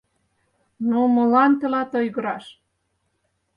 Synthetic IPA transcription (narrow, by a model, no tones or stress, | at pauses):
nomɤ̆lɑnt̪elɑt̪ojɣɤ̆ɾɑʃ